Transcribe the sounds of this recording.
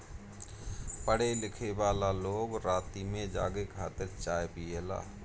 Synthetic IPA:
pəɽelɪkʰebaːlaloːɡɾaːt̪imẽd͡ʒa̰ːɡekʰaːt̪ɪɾt͡ʃaːjpijela̰ː

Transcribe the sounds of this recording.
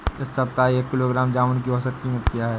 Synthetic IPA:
ɪsːɐpt̪aːieːkːɪloːɡɾaːmd͡ʒaːʋənkiɔsət̪̚kiːmət̪kijaɦɛː

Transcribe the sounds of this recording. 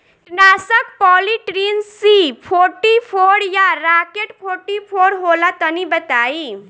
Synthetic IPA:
naːsək̚pɔːliʈɾinsipʰoɾʈipʰoɾjaɾakeʈpʰoːɾʈipʰoːɾɦolat̪ənibət̪aːi

